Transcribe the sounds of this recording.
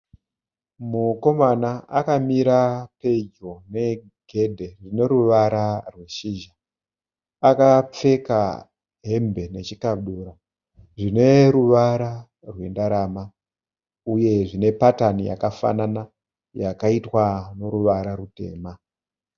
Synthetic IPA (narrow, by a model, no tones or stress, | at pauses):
muko̞manaakamiɾape̞d͡ʒo̞ne̞ | ɡʱe̞dʱe̞rine̞ɾuʋaɾarwe̞ʃiʒa | akap͡fe̞ka̰ | ɦembe̞ne̞t͡ʃikaɗuɾa | ʐine̞ɾuʋaɾa | rwe̞ndaɾama | uje̞ʐine̞patanija̰kafa̰nana | jakaitwano̞ɾuʋaɾaɾute̞̰ːma